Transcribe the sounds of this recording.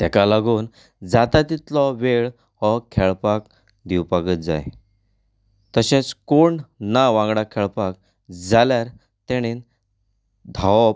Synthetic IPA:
t̪ɛkalaɡuːn | d͡zat̪at̪it̪lɔʋeɭ | hɔkʰɛɭpak | d̪iwpaɡət̪̚d͡za̰j | t̪əɕẽt͡skoɳnaʋãŋɡɽakʰɛɭpak̚ | d͡zaljaɾ | t̪eɽ̃in | d̪ʱawɔp

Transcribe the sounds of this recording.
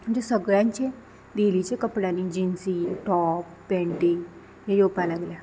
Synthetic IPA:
id͡ʒesɐɡɾaːɲt͡ʃe | d̪iːlit͡ʃekɐpːɽaːnid͡ʒinsiʈɔːpːeɳʈiŋ | ejoːpalaɡla

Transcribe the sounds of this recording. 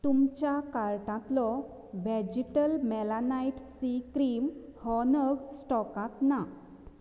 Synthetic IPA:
t̪umt͡ɕjakaɾʈãt̪lɔ | ʋɛd͡ʑiʈəlmɛlanajʈsikɾimhɔnəɡsʈɔkãt̪na

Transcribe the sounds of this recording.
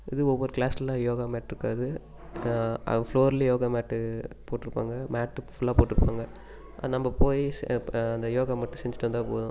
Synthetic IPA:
ɪðɯɔʋːɔɾɯkɭaːsɐlajoːɣaːmaːʈːɪɾɯkːaːðɯ | ɐ̰floːɾɐlɐjoːɣamaːʈːɯpoːʈːɪɾɯpːa̰ːŋɡɐmaːʈːɯfʊlːaːpoːʈːɪɾɯpːaːŋɡɐ | ʔɐnɐmbɐpoːjiɐnd̪ɐjoːɣamɐʈːɯsɛɲd͡ʒɪʈːɐnd̪ãːpo̰ːðʊ̃

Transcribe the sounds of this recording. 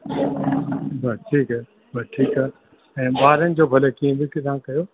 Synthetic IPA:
bɐʈʰiːkaː | bɐʈʰiːkaː | ɛ̃ːbaːɾənɪ̆d͡ʑoːbʱɐləkiẽb̪ɪkɪt̪aãkɐjoː

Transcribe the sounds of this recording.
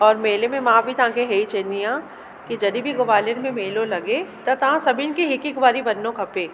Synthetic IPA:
ɔːɾmeːlemẽmãːbʱit̪ãːkeɦɛit͡ʃenijãː | kid͡ʒɐd̪ibʱiɡoʋaːljəɾmẽmeːlolɐɡet̪ɐt̪ɐɦãsɐbʱɪnkiɦɪkikbaːɾibɐnːõkʰɐpeː

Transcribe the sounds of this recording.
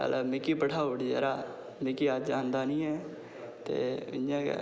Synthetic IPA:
ə̰lamɪkiːpəʈʰaːoːɽiːd͡ʒə̰ːɾaː | mɪkiːad͡ʒaːnd̪aːnĩːɛː | t̪ḛːɪã̰ː

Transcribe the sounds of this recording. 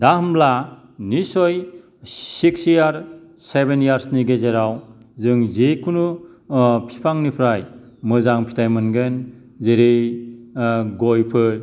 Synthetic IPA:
dahmbla | nisɔj | siksjaɾsebenjaɾsniɡezeɾawzɯŋzekʰunu | pʰi̥pʰaŋnipʰɾaj | mɯzaŋpʰi̥tʰajmɯnɡen | zeɾej | ɡojpʰɯ

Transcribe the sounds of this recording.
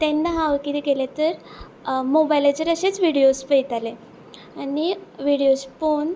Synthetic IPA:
t̪enːaɦaʋkit̪iɡelet̪əɾ | mobajlat͡ɕeɾəɕet͡sʋiɽiospəjt̪ale | aniʋiɽijosfon

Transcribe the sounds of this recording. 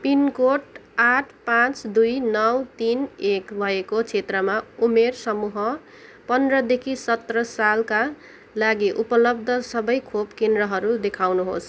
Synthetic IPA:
pinkoʈaʈʰpãt͡sd̪ujnʌwt̪inekbʱʌekot͡sʰet̪rʌmaumersʌmuɦʌ | pʌnd̪rʌd̪ekʰisʌt̪rʌsalka | laɡiʔupʌlʌb̚d̪ʱʌsʌbʌjkʰopkend̪rʌɦʌɾud̪ekʰawnuɦos

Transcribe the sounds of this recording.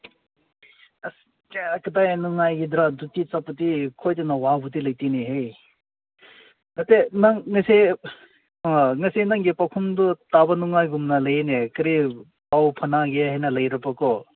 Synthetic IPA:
ɐs | keɐkɐtajnuŋajɡidɾadutit͡sapɐtikʰojtenawabutilɐjtiniɦej | nɐtenaŋːɐsi | ŋɐsinaŋɡipawkʰumdɔtabɐnuŋajɡumnɐlɐjenekɐɾi | pawpʰɐnaɡeɦajnɐlɐjɾɐpɐkɔ

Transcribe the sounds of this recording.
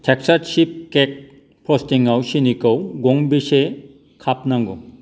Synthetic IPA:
tʰɛksatʃip̚kɛk̚ | pʰɹɔstiŋawsinikɔwɡoŋbise | kʰapnaŋɡɔ̰

